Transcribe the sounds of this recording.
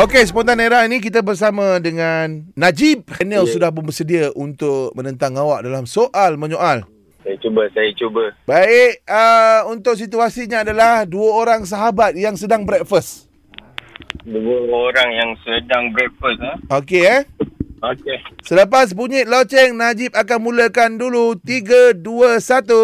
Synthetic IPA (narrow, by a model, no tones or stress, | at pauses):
okesəpɔnt̪aneɾainĩk̬it̪̬abərs̬amãdəŋanːad͡ʒib̚hɛnɛlsudahp̬ʊnbərsədiaʔunt̪ʊʔmənə̃nt̪aŋawaʔ̚dalamsoʔalmə̃ɲoʔal | sajat͡ʃubəsajat͡ʃubəbaɪʔəunt̪ʊʔsit̪̬uasiɲaːdalahduəoɾaŋs̬aɦabat̪̚jaŋsədaŋbɾɛk̚fəs | duəoɾaŋjaŋsədaŋbɾɛk̚fəsaoke | okesələpas̬buɲɪʔlot͡ʃɛŋnad͡ʒɪp̚akanmũləkandulut̪iɡəduəsat̪u